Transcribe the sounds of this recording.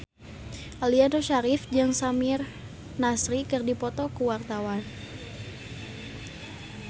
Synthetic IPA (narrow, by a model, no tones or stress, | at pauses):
ʔaliadoʃaɾɪfd͡ʒaŋsamɪr | nasɾikɨrdipɔt̪ɔkuwart̪awan